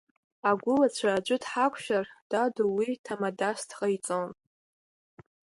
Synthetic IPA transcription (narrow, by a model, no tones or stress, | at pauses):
aɡʷʊlat͡ɕʷʰaːd͡ʒʷʊdħakʷʰʃᶣard̥aduwitʰamadastʰqʼajt͡sʼon